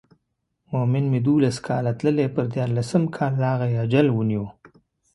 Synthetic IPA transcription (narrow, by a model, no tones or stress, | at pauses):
momɪnmed̪ulaskʰɑlat̪ləlepəɾd̪jɑɾlasəmkʰɑlːɑɣajad͡ʒalwuniwo